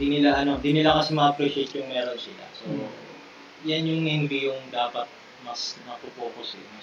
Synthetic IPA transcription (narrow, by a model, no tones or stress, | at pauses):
d̪iːnɪlaʔɐno̞ɪnd̪iːnɪlakɐsɛmɐʔɐpɾiʃɛt̪jʊŋmɛːɾonsɪla̰so | janjʊŋɪnbijʊŋd̪aːpɐt̪̚ | mɐsmɐɐpɾopoːposɛmɐ